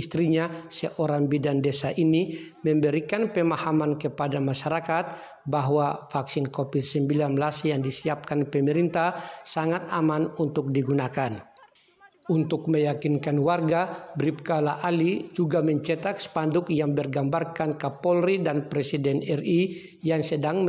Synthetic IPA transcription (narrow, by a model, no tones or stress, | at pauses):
ist̪ɾiɲasəʔɔɾaŋbidandɛsaʔinimɛmbɛɾikanpɛmahamankəpadamaʃaɾakat̪̚ | baɦwafaksinkɔpit̪̚səmbilanmlasjaŋdisiap̚kanpɛmɛɾint̪ahsaŋat̪amanunt̪ʊk̚diɡunakan | unt̪ʊk̚məjakinkanwarɡabɾip̚kalaʔalid͡ʒuɡamɛɲt͡ʃɛt̪ak̚spandʊkjaŋbɛrɡambarkankapɔlridanpɾɛsidɛnɛri | jaŋsədaŋ